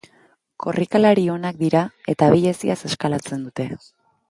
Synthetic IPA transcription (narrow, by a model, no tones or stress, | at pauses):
kʰo̞rʔikalaɾio̞nak̚d̪iɾae̞t̪aβiʎe̞siase̞skalat͡se̞nd̪ut̪e̞